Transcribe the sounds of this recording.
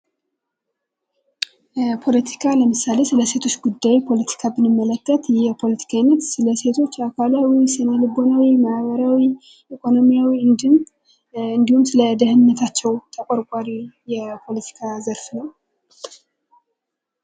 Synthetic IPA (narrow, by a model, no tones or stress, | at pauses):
pʰo̞lət̪ʰi̥kʰaləmɨsale̞sɨləse̞t̪ʰo̞t͡ʃːɡud̪ːajpʰo̞lət̪ʰi̥kʰabɨnɨmːələkːət̪jɛpʰo̞lət̪ʰi̥kʰanːət̪sɨləse̞t̪ʰo̞t͡ʃːakʰʷalawisɨnəlɨbo̞nawimahβəɾawi | ʔikʰo̞no̞mijawiɨnd̪ɨm | ɨnd̪ihumsɨləd̪əhɨnːət̪ʰat͡ʃːɛwt̪ʰəkʼoɾkʷʼaɾijɛpʰo̞lət̪ʰi̥kʰazəɾfnəw